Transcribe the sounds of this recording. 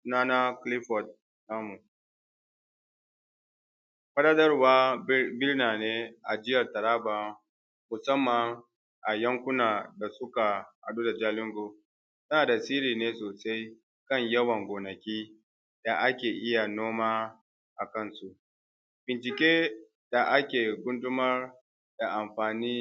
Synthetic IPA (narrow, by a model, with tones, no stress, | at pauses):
su˦naː˦na˦klɪ˦ɸɔ˨t̚ | naː˦mu˨ | ɸɐ˦ɽaː˦dɐ˦rwaː˦bɪ˦rnaː˨neː˦ʔa˨d͡ʒɪ˦jɐ˨rtɐ˨ɾaː˦baː˨˦ | mʊ˨sɐ˦mːa˨ŋ | ʔa˨jɐ˦ŋkʷʊ˦naː˨da˨sʊ˦ka˨ha̰˨ɗu˦da˨d͡ʒaː˦lɪ˦ŋɡo˨ | sɐ˦naː˨da˨siː˦ɾiː˨neː˦soː˨sa˦j | kɐ˦˨ɲjɐ˦wɐ˨ŋɡʷoː˨nɐ˨kʲiː˦ | d̥a˨ʔa˦kʲeː˨ʔɪ˦ja˨noː˦maː˦ | ʔa˨kɐ˦˨nsu˦˨ʔ | bɪ˨nt͡ʃɪ˨kʲʼeː˦ | d̥a˨ʔa˦kʲeː˨ɡʷʊ˦ndʊ˦mɐ˦r | d̥a˨ʔa˨mɸaː˨niː˦